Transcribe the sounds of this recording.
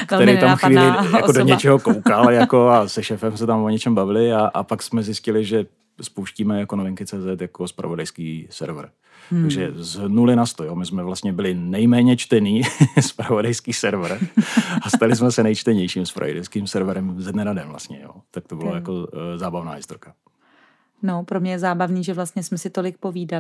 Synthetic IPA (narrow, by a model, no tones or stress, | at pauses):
kkt̪ɛɾɛjt̪amfxviːlɪjakodoɲɛt͡ʃɛɦokowkaljakoasɛʃɛːfɛmsɛt̪amoɲɛt͡ʃɛmbavɪlɪaʔa̰paksmɛzɪscɪlɪʒɛ | spowʃciːmɛjakonovɪŋkɪt͡sɛːzɛt̪jakospɾa̰vodajskiːsɛ̰ɾvr | t̪aɡʒɛznulɪnast̪ojomɪsmɛvlast̪ɲɛbɪlɪnɛjmɛːɲɛt͡ʃt̪ɛniːspɾavodajskiːsɛɾvɾast̪alɪs̬mɛsɛnɛjt͡ʃt̪ɛɲɛjʃiːmspɾa̰jɪdɛskiːmsɛɾvɾɛmzɛdnɛɾadɛmvla̰st̪ɲɛ̰jo̰ːt̪ak̚t̪obɪlajako̞zaːbavna̰ːjɪst̪oɾka | nopɾomɲɛjɛzaːbavniːʒɛvlast̪̚ɲɛsmɛsɪt̪o̞lɪk̚poviːda